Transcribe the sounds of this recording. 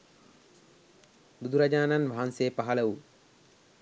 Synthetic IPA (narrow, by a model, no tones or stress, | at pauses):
d̪ud̪uɾad͡ʒaːnanʋaɦanseːpaɦɐləʋu